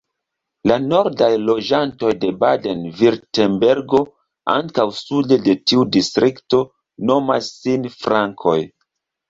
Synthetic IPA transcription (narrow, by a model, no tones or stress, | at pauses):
lano̞ɾdajlo̞d͡ʒanto̞jde̞bade̞nviɾtembe̞ɾɡo̞ | a̰ŋkawsude̞de̞tiudistɾʔikto̞ | no̞masːinfɾaŋkʰo̞̰j